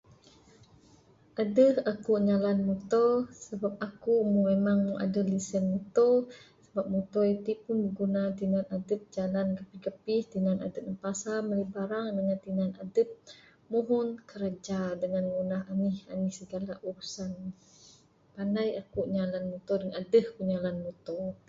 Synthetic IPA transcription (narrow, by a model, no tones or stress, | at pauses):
ʔadəhakuʔɲalanmut̪ɔsəbap̚akumuŋmemaŋmuŋʔa̰dəlisənmut̪ɔsəbap̚mut̪ɔit̪ipunbəɡunat̪inanadəp̪̚d͡ʒalankəpihkəpɪht̪inana̰dəp̚nəmpasaməlibaɾaŋdəŋant̪inana̰dəp̪̚ | muɦʊnkəɾad͡ʒadəŋanŋunaɦanihanihsəɡalaʔuɾusan | pandajakuʔɲalanmut̪ɔdəŋanadəhkuɲalanmut̪ɔ